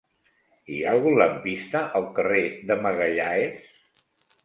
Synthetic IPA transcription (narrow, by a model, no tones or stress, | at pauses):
ialˠɣunləmpist̪əʔəlˠkəreðəməɣəʎaes